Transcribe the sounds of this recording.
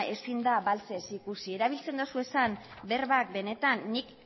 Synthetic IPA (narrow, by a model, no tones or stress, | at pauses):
e̞sind̪aβalt͡se̞sikusie̞ɾaβ̞ilt͡se̞nd̪osue̞san | be̞rβak̚be̞ne̞t̪anːik